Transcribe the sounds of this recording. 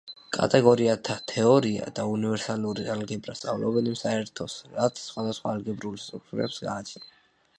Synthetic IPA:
kʼa̰t̪ʼɛɡɔɾiat̪ʰat̪ʰɛɔɾia̰d̪aunivɛɾsaluɾialɡɛbɾast̪sʼa̰vlɔbɛnimsaɛɾt̪ʰɔsɾat̪sʰsχwad̪asχwaːlɡɛbɾulist̪ʼɾuk̚t̪ʼuɾɛpsɡa̰ːt͡ʃʰna

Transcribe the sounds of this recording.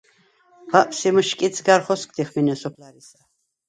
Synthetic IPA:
pʰaʔpsimʃkʼit̪sʰɡaɾχɔskʼd̪iχminiɔsɔpʰlaɾisa

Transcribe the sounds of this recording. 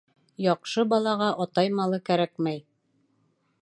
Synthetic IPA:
jɑqʃɤbɑlˠɑʁɑʔɑt̪ɑjmɑlˠɤkæɾækmæj

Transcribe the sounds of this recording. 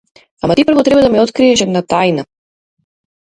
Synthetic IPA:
amat̪ipɾrvɔt̪ɾɛbad̪amɛɔt̪kɾiɛʃɛd̪nat̪ajna

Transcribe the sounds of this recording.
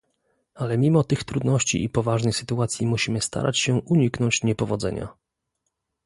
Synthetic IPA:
alɛmʲimɔt̪ɘxt̪ɾud̪nɔɕt͡ɕḭʔipɔvaʐnɘjsɘ̥t̪uat̪sʲjimuɕimɘst̪ʰa̰ɾʔat͡ɕɕɛʔuɲiknɔɲt͡ɕɲɛpɔvɔd̪zɛ̰ɲa̰

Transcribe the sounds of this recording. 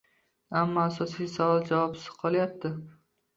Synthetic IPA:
amːɒasɒsijsavɒlˠd͡ʒavɒpsɪ̥z̥qʰɒlˠajap̚t̪ʰɪ

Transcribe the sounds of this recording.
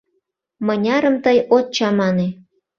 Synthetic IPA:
mənʲɑɾəmt̪əjot̪̚t͡ɕɑmɑne

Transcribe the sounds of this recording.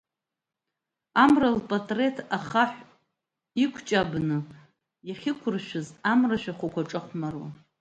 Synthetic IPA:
amralpʼatʼre̞tʰaχaħʷ | ikʷʰt͡ʃʼabnɨ | jaχʲɪkʷʰʊrʃʷᶣʊzamraʃʷᶣaχʷakʷaʈ͡ʂʼɨχʷmarwa̰

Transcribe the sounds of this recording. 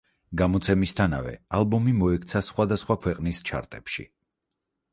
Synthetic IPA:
ɡamɔt̪sʰɛmist̪ʰana̰vɛ̰alˠbɔmimɔɛkʰt̪sʰasχwad̪asχwakʰwɛqʼnist͡ʃʰa̰ɾt̪ʼɛpʃḭ

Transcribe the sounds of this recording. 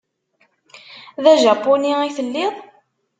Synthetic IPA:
ðæʒɑpːuniiθəlːɪðˤ

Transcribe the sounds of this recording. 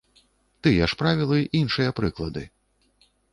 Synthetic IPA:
t̪ɨjaʂpɾavʲilˠɨʔinʂɨjɐpɾɨklˠɐd̪ɨ

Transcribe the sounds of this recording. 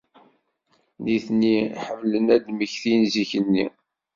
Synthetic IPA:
niθnːiħəvlənæd̪məçθinziçənːḭ

